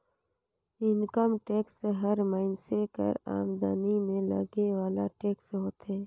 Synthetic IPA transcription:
ɪŋkəmʈeːkseɦəɾmaːɪnsekə̰ɾa̰ːmd̪animẽlə̰ɡewaːlaʈeːksɦoːt̪ɛː

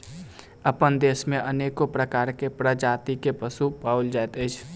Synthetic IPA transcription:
əpənd̪eːsmẽʔəneːkopɾəkaːɾkepɾəd͡ʒaːt̪ikepəsupaːuld͡ʒaːt̪əɪt͡ʃʰ

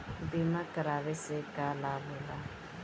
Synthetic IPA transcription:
bimakaɾaβɪsɪkalabʊla

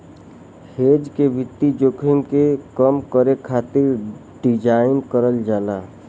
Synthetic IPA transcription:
heːd͡ʒkebʱɪt̪ːid͡ʒoːkʰimkekəmkəɾekʰaːt̪ɪɾ | ɖɪd͡ʒaːɪnkəɾəld͡ʒaːlaː

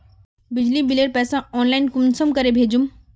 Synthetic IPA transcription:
bɪd͡ʒlibileɽpɛːsãɔːnlaɪnkumsəmkəɾebʱeːd͡ʒum

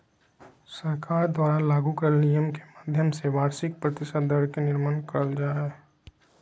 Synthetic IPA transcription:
sɐɾkaːɾd̪waːɾalaːɡukəɾnijəmke̥maːd̪ʱjəmseʋaːɾsɪk̚pɾɐt̪ɪʃəd̪əɾkenɪɾmənkəld͡ʒaːe

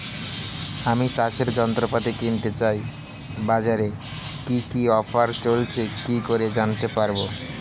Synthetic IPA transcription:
amisaʃeɾd͡ʑɔnt̪ɾopad̪ekint̪et͡ɕaj | bad͡ʑaɾe | kikiɔfaɾt͡ɕolt͡ɕʰekikoɾed͡ʑant̪epaɾbo

